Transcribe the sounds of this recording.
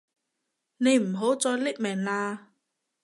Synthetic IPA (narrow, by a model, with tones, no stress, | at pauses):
ne˨˧jm̩˨˩ɦo˨˥wt͡sɔː˧jlɪ˥k̚mɛː˨˩ŋlaː˧